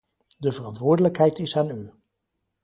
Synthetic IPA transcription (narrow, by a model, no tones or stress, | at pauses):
dəvərɑntʋʊːɹdələkɦɛjtɪsaːny